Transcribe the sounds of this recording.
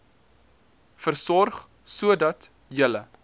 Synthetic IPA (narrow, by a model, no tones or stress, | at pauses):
fərsɔrχ | suədɐt | jələ